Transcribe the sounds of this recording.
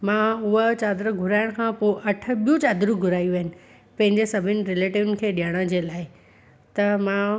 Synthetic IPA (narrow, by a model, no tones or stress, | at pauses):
mãːʊɦət͡ɕaːd̪ɾəɡʱʊɾaːɪəɽ̃kʰãːpoɪʔɐʈ̆ʰɓijũt͡ɕaːd̪ɾũɡʱʊɾaːijuʋaɦɪnɪ̆ | pɐ̃ɦɪ̃ɲd͡ʑesɐbʱɪnɪ̆ɾɪleːʈɪʋnɪ̆kʰeːɗijaɽ̃əd͡ʑeːlaːɪ | t̪ɐmãː